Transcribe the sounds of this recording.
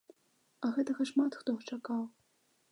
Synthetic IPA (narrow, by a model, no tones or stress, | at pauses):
ɐɣɛt̪ɐɣɐʂmat̪xt̪ɔɣɐt͡ʂakaw